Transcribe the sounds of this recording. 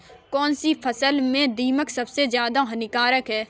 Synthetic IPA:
kɔːnsipʰɐsəlmẽd̪iːməksɐbsezjaːd̪aɦɐnɪkaːɾəkɦɛː

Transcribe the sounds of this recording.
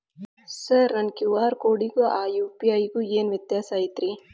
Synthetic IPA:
sɐɾnɐnkjuːʋaːɾkoːɽiɡuʔaːjuːpiɐjɡueːnʋɛt̪jaːsaːjit̪ɾi

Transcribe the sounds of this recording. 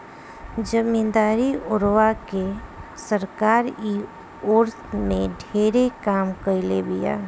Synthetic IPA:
d͡ʒəmĩnd̪aːɾiʊɾʋakesəɾkaːɾi | oːɾt̪ʰmẽɖʱeːɾekaːmkəɪlebija̰ː

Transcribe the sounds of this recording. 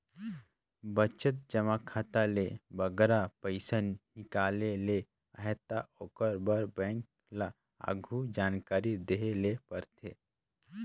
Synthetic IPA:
bət͡ʃət̪̚d͡ʒəmakʰaːt̪alebəɡɾapəɪsənːɪkaːlele | əɦɛt̪aoːkəɾbəɾbɛ̃ːŋk̚ | la | a̰ɡʱud͡ʒaːnkaːɾid̪eɦelepəɾt̪ʰeː

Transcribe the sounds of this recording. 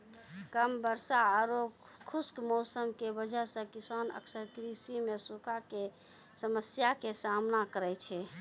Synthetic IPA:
kəmbəɾsaːɾo | kʰuskmɔʊsəmkebəd͡ʒəsə̃kisanə̰ksəɾkɾisimesukake | səməsjakesamnakəɾɛt͡ʃʰɛ

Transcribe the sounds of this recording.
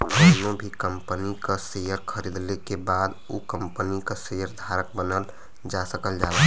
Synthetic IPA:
onobʱikəmpənikəsejəɾkʰəɾid̪lekebad̪ukəmpənikasejəɾd̪ʱaɾək̚bənəl | d͡ʒasəkəld͡ʒala

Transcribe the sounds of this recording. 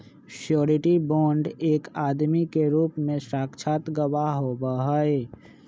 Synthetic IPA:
ʃjoːɾɪʈibɔːɳɖeːkaːd̪mikeɾuːpmẽsɾaːkt͡ʃʰaːt̪ɡəwaɦobəɦəe

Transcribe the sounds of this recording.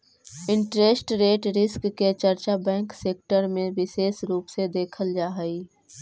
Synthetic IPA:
ɪ̃ɳʈɾesʈɾeːʈɾɪskːet͡ʃəɾt͡ʃabɛ̃ːŋkseːk̚ʈəɾmẽʋɪseːsɾuːpsed̪eːkʰəld͡ʒaːɦəiː

